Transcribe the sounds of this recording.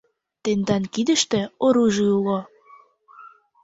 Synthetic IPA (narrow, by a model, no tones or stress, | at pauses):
t̪end̪ɑnkid̪ə̆ʃt̪ĕoɾuʒiulo